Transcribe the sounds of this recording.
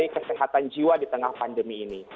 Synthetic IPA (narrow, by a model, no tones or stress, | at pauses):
ikəsəɦat̪and͡ʒiwadit̪əŋahpandəmiːni